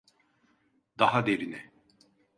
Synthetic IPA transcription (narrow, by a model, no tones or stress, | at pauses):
d̪aɦad̪eɾinɛ